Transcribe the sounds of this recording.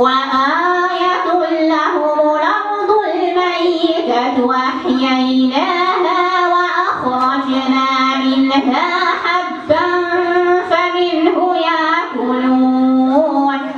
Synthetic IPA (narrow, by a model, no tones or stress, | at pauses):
waʔaːjat̪ʊlːaɦʊlɑfd̪ˤʊlmajːɪk̪at̪ʊwaħjaʔɪlaːhaːwaʔaxɾˤɑd͡ʒnaːmɪnɦaːħadːanfamɪnhʊjaʔkʊluː | n